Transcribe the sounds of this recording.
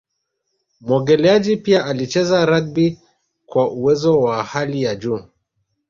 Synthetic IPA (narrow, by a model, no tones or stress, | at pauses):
mwɔɡɛlɛad͡ʒipiaʔalit͡ʃɛzaɾaɡbi | kwaʔuwɛzɔwahalijad͡ʒuː